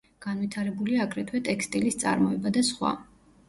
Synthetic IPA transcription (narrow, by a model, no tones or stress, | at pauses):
ɡ̥anwit̪ʰaɾɛbuliaːɡɾɛt̪ʰwɛt̪ʼɛkst̪ʼilist̪sʼa̰ɾmɔɛbad̪asχwa̰